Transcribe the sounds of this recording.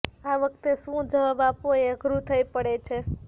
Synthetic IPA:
aʋəkt̪esũd͡ʒəʋabapoeəɡɾut̪ʰəipəɽet͡ʃʰe

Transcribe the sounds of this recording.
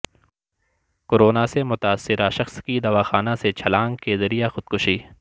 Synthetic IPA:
koɾoːnasemʊt̪aːsːɪɾaʃɐxskid̪ɐʋaːxaːnaset͡ʃʰɐlãːŋɡkezɐɾijaxʊd̪̚kʊʃiː

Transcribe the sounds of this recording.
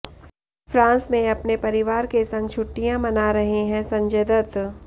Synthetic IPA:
fɾãːsmẽɐpnepɐɾɪʋaːɾkesɐ̃ŋɡ̚t͡ʃʰʊʈːijãmɐnaɾɐɦeɦɛ̃sɐ̃ɲd͡ʒed̪ət̪

